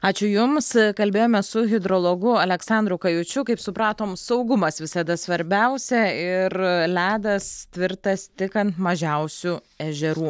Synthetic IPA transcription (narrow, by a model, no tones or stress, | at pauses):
ɑːt͡ʃʲʊjʊmskɐlʲbʲeːjoːmʲɛsʊɣʲɪd̪ɾoːlˠoɡʊɐlʲɛksɑnd̪ɾʊkɐjʊt͡ʃʲʊkɐɪpsʊpɾɑːt̪oːmsɐʊɡʊmɐsʋʲɪsɐd̪ɐsʋɐɾʲbʲɛʊsʲɛɪɾlʲæːd̪ɐst̪ʲʋʲɪɾt̪ɐst̪ʲɪkɐnt̪mɐʒʲɛʊsʲu | ɛʒʲɛɾuː